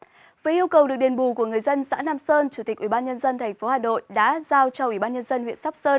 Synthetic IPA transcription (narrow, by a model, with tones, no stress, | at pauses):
vəː˨˦ʔi˧əwkə˨˩wɨ˨˩ək̚ɗi˨˩nɓu˨˩ku˧˩əŋɨ˨˩əjzə˧nsa̰ː˧˥naː˧msəː˧nt͡ɕu˧˩t̪i˨˩k̚ʔi˧˩ɓaː˧nɲə˧nzə˧nt̪ʰɛ˨˩ŋ̟fo˨˦haː˨˩no̰˧˨jɗa̰ː˧˥zaː˧wt͡ɕɔ˧ʔwi˧˩ɓaː˧ɲə˧nzə˧nhwḭ˧˨ənsa˦˥k͡p̚səː˧n